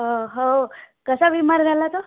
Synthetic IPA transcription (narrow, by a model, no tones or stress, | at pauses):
ɦoɦoo | kəsaʋimaɾɡalat̪o